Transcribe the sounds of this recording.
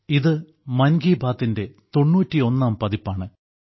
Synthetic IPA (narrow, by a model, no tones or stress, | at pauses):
iðɨ | mɐnɡiːbʱaːt̪ːinde̞t̪o̞ɳːuːtːio̞nːaːmpɐðipːaːɳɨ